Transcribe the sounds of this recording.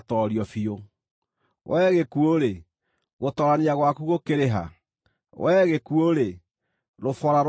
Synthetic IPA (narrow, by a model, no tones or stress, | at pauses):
tɔɾiɔfio | wɛːɣekuoɾe | ɣotɔɾaneaɣwakuɣokeɾeɦa̰ | wɛːɣekuoɾe | ɾofɔɾaɾ